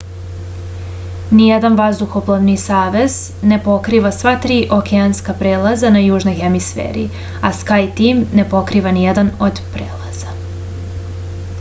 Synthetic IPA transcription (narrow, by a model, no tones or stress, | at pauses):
nijed̪anʋazd̪uxoplˠaʋnisaːʋe̞z̥ | ne̞po̞kɾiʋasʋat̪ɾiːʔo̞keanskapɾeːlˠazanajuːʒno̞jxe̞misfḛːɾḭ | askajt̪iːmne̞po̞kɾiʋanijed̪anod̪pɾeːlˠaz̥a